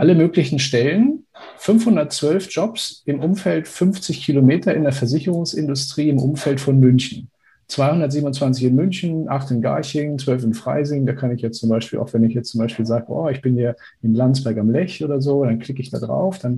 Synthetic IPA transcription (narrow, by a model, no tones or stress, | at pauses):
ʔaləmøːklɪçn̩ʃtɛlən | fʏnfhʊndɐtt͡sv̥œlfʒ̥ɔpsʔɪmʔʊmfɛltfʏnft͡sɪçkʰilomeːtɐɪndeɐfɛɐzɪçəʁʊŋsʔɪ̰ndʊstʁ̥iːɪmʔʊ̰mfɛltfɔnmʏnçn̩ | t͡sv̥aɪhʊndɐtziːbmnʊnt͡sv̥ant͡sɪçɪnmʏnçn̩ʔaχtɪnɡa̰ɐçɪŋt͡sv̥œlfɪnfʁ̥a̰ɪzɪŋdaːkʰanɪçjɛt͡st͡sʊmbaɪʃpiːlʔa̰ʊxv̥ɛnɪçjɛt͡st͡sʊmbaɪʃpiːlzaːɡəʔɔ̰ːɪçb̥ɪnhiːɐ | ʔɪnlant͡sb̥ɛɐkamlɛçoːdɐzoːdankl̥ɪkəɪçd̥a̰ːdʁa̰ʊfd̥an